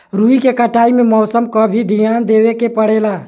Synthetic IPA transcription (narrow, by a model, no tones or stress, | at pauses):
ɾuikekəʈaimemɔsəmkəbʱid̪ʱijand̪ewekepəɽela